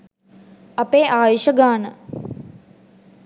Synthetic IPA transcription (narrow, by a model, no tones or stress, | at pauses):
ɐpeːʔaːjiɕəɡaːnə